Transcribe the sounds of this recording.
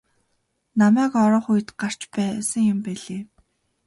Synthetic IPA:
namæːkɔɾɔːχuj̆t̪ɢar̥t͡ɕpæːsə̆ŋjʊmpæɮeː

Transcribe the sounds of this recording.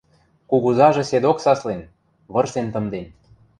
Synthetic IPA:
kuɣuzɑʒĕsed̪oksɑslen | βɤ̆rsent̪ɤ̆md̪en

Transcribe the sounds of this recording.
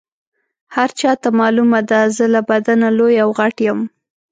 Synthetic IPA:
haɾt͡ʃɑt̪amɑlumad̪azəlabad̪analojawɣaʈjəm

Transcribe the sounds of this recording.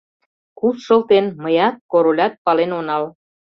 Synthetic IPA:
kusʃɤ̆lt̪enməjɑt̪̚koɾolʲɑt̪̚pɑlenonɑl

